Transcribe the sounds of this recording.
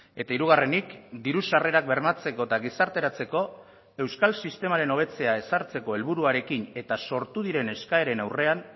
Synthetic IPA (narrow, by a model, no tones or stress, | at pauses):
e̞t̪aiɾuɣare̞nikd̪iɾusare̞ɾak̚be̞ɾmat͡se̞ko̞t̪aɣisaɾt̪e̞ɾat͡se̞ko̞ | e̞wskalsist̪e̞maɾe̞no̞β̞e̞t͡se̞ae̞saɾt͡se̞ko̞e̞lβuɾuaɾe̞kine̞t̪aso̞ɾt̪uðiɾe̞ne̞skae̞ɾe̞nawre̞an